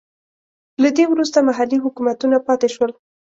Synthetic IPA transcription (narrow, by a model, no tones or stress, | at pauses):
lad̪ewɾust̪amaɦaliɦʊkumat̪unapɑt̪eʃwəl